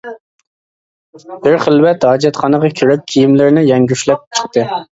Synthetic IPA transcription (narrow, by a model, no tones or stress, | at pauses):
b̥ɪɾχəlwɛt̪hɑːd͡ʒɛt̪χɑnəʁɑkʲʰyɾyp̚kʲʰijimlɪɾnɪjɛŋɡʲyʃlɛp̚t͡ʃʰə̥χt̪ɨ